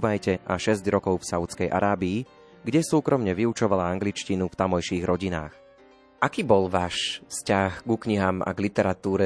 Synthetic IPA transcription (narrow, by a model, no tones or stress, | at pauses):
ʋajcɛʔaʃɛzɟɾɔkɔʊfsaʊt͡skɛjʔa̰ɾaːbiː | ɡɟɛsuːkɾɔmɲɛʋiut͡ʃɔʋalaaŋɡlit͡ʃcinuft̪amɔjʃiːɣɾɔɟina̰ːx | ʔakiːbɔlʋaːʃfscaxɡukɲiɦaːma̰ɡlit̪ɛɾat̪uːɾɛ